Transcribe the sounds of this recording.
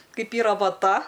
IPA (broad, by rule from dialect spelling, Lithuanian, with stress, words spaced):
ˈkɐɪp ˈiːrɐ ʋɐˈtɐ